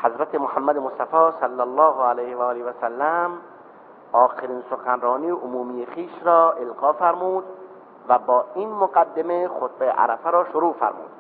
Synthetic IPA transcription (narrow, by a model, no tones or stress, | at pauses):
hæzɾæt̪ʰemohæmːæd̪emost̪æfɒːsælːælːɒːhælejhevæːleʋæsælːæm | ɒːxeɾiːnsoxænɾɒːniːʔomuːmijexiːʃɾɒːʔelɡɒːfæɾmuːd̪ | væbɒːiːnmoɡæd̪ːemexot̪bejḛʔæ̰ɾæfæɾɒːʃoɾuːfæ̰ɾmṵːd̪̥